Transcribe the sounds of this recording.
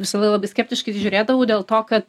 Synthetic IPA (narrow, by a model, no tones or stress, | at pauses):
ʋʲɪsɐlˠɐɪɡlˠɐːbɐɪsʲkʲæːpʲt̪ʲɪʃkɐɪt̪ʲɪʒʲʊɾʲeːd̪ɐʋɐʊd̪ʲeːlˠt̪oːkɐt̪